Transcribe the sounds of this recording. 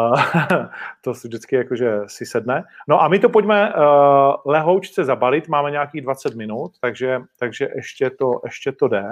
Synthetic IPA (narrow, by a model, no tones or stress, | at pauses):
t̪osvʒdɪt͡skɪjakoʒɛsɪsɛdnɛno̞ʔamɪt̪opo̞ɟmɛ | lɛɦowt͡ʃt͡sɛzabalɪt̪maːmɛɲɛakiːɣdvat͡sɛt̪mɪnut̪ːaɡʒɛt̪aɡʒɛʔɛʃcɛt̪oʔɛʃcɛt̪odɛ